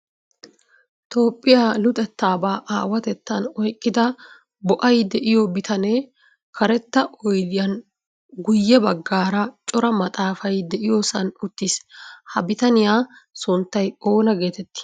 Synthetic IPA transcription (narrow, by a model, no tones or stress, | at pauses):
t̪o̞ːpʼːɪjaːlʊt̪ʼɛt̪ːaːbaːʔaːwɐt̪ɛt̪ːɐnɔjkʼːɪd̪ɐ | bɔʔɐjd̪ɛʔɪjobɪt̪ʰɐneː | kʰɐɾɛt̪ːɐʔɔjd̪ɪjɐn | ɡʊjːɛbɐɡːaːɾɐt͡ʃʼɔɾɐmɐt̪ʼaːfɐjd̪ɛʔɪjo̞ːsɐnʊt̪ːɪshɐbɪt̪ɐnɪjaːsʊnt̪ːɐjo̞ːnɐɡe̞ːt̪ɛt̪ːɪ̥